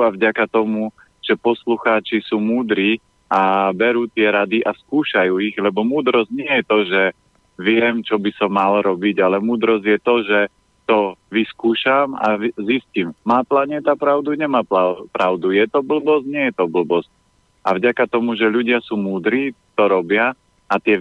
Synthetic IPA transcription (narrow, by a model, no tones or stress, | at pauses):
avɟakat̪ɔmu | ʒ̥ɛpɔsluxaːt͡ʃisuːmuːd̪ɾiː | abɛɾuːt̪ɪɛɾad̪iʔaskuːʃajuːiɣlɛbɔmuːd̪ɾɔzɟɲɪɛjɛt̪ɔʒɛ | ʋɪɛmt͡ʃɔbisɔmːalɾɔbiɟalɛmuːd̪ɾɔzɟjɛt̪ɔʒɛ | t̪ɔʋiskuːʃama̰zisciːmːaːplaɲɛt̪apɾaʊd̪uɲɛmaːpapɾaʊd̪ujɛt̪ɔbl̩bɔsɲɪɛjɛt̪ɔbl̩bɔsc̚ | avɟakat̪ɔmuʒɛʎuɟɪasuːmuːd̪ɾiːt̪ɔɾɔbɪa | at̪ɪɛ